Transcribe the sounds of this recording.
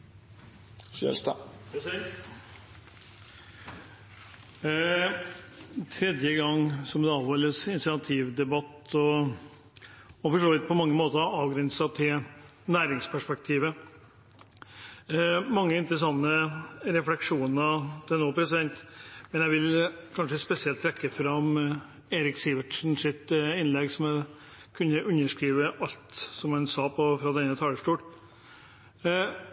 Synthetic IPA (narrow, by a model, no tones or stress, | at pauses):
sst̪ɑpɛsɛnt̪ | t̪ʰɾɛd̪jəɡɑŋːsɔmd̪ɛɑːʋoləsɪnsɪɑt̪ʰiːʋd̪ɛbɑt̪ɔ | fɔʂoːʋɪt̪̚pʰɔmɑŋːəmoːt̪əɾɑːʋɡɾɛnt̪sɑt̪ʰɪlnæːɾɪŋspæʂpɛkt̪ʰiːʋə | mɑŋːəɪnt̪əɾəs̬ɑnːəɾɛflɛkʂuːnət̪ʰɛːɛnuːpɾɛsɪd̪ɛnt̪mɛnjæʋɪlkʰɑnʂəspɛsɪɛlt̪ʰːɾɛkːəfɾɑm | eːɾɪksiʋəʈʂn̩sɪt̪ɪnlɛɡsɔmɛ | kʰʉnːəʔʉnːəʂkɾiːʋəʔɑlt̪sɔmɛnsɑːpʰɔfɾɑd̪ɛnːət̪ʰɑːləʂʈuːɽ